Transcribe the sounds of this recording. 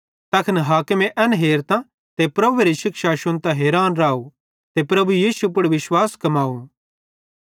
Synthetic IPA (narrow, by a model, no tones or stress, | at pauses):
t̪ɐkʰənɦaːkɪmẽʔɛnɦeːɾt̪ã | t̪epɾɐbueɾiʃɪkʃaʃʊnt̪ãɦeːɾaːnɾaːu | t̪epɾɐbujiːsupʊɽʋɪʃwaːskɐmaːũ